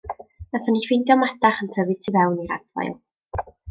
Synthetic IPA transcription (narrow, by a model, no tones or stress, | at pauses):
aθɔnifinɡɔmɛdaχəntʰəvɨd̚tʰivɛwniɾa̰dva̰jlˠ